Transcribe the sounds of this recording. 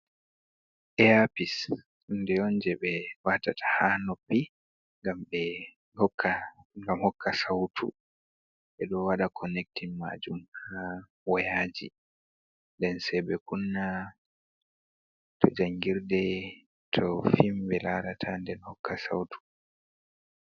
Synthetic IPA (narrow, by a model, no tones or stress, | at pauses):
ʔɛapis | ɗundɛɔnd͡ʒɛɓɛwatatʰḁhanɔpːi | ŋɡamɓɛ | hɔkːaɡamhɔkʰːasawtʰṵ | ɓɛɗɔwaɗakʰɔnɛk̚tinma̰d͡ʒumha | wɔjaːd͡ʒḭ | ndɛnsɛbɛkunːa | tʰɔd͡ʒaŋɡiɾdɛ | tʰɔfimɓɛlaɾatʰandɛnhɔkːasa̰wtu̥